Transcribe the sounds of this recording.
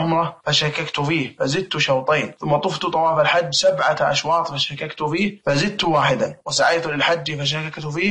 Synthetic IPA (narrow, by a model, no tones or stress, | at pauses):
ʊmɾˤɑfaʃakakt̪ʊfiːhfazɪd̪̚t̪ʊʃawt̪ˤeːnθʊmːɑt̪ˤʊft̪ʊt̪ˤɑwɑːfalħad͡ʒːsabʕaʔa̰ʃwɑːt̪ˤfaʃakːakt̪ʊfiːhfazɪd̪̚t̪ʊwaːħɪd̪awɪsaʕajːt̪ulɪlħad͡ʒːifaʃ̬akakt̪ʊfiː